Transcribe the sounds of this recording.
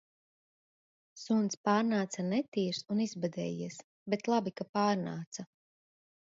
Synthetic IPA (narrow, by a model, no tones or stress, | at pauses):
sunspaːɾnaːt̪sanɛt̪iːɾsunizbad̪ɛ̰ːjiɛs | bet̪lˠabikapaːɾnaːt̪sa